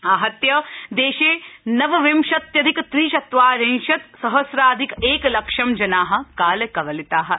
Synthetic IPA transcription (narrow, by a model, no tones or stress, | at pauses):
aːɦɐt̪jɐd̪eːʃeːnɐʋɐʋimʃɐt̪jɐd̪ʱikt̪ɾiːʃɐt̪ʋaːɾẽnʃɐt̪sɐɦɐsɾaːd̪ʱikeːklɐkʃɐmd͡ʒɐnaːɦɐ̆kaːlɐkɐʋɐlit̪aːɦɐ̆